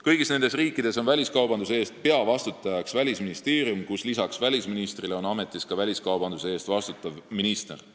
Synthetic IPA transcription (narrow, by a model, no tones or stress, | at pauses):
kɤjɡisne̞nd̪e̞sriːkːˑid̪̥e̞so̞nvælʲiskɑwbɑnd̪useeːst̪̚pe̞ɑvɑst̪ut̪ːˑɑjɑksvælʲisminist̪e̞ːɾijumkuslisɑksvælʲisminist̪rileo̞nɑme̞t̪ːˑiskɑvælʲiskɑwb̥ɑnd̪useeːst̪vɑst̪ut̪ːˑɑvminist̪er